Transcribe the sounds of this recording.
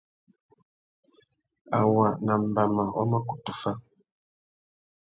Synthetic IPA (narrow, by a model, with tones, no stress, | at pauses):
a˨wa˨na˨m̩˨ba˨ma˨ɔ˦ma˦ku˨tu˨fa˦